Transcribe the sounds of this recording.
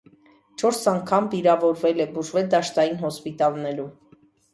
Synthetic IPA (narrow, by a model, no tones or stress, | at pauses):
t͡ʃʰɔɾsɑŋkʰɑmviɾɑvɔɾvɛlɛbuʒvɛld̪ɑʃt̪ɑjinɦɔspit̪ɑlnɛɾu